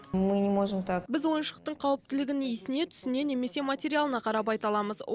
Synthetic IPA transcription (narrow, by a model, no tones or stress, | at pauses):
mɨnʲɪmoʒəmt̪ʰɑkbɪzwo̞jənʃəq̚t̪əɴqʰɑwəp̚t̪ɪlɪɡʲɪnijsɪne̞t̪ʰʏ̥sɪne̞ne̞me̞se̞matʲeɾʲialˠənɑqʰɑɾɑp̬ɑjt̪ɑlˠɑməz